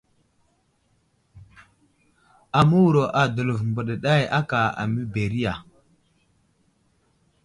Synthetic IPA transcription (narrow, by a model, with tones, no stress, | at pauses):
a˨mu˦wu˨ɾo˨ʔa˨də˨lə˨vmbə˨ɗə˨ɗa˦˨ja˦ka˨a̰˨mi˦be˨ɾi˦ja˨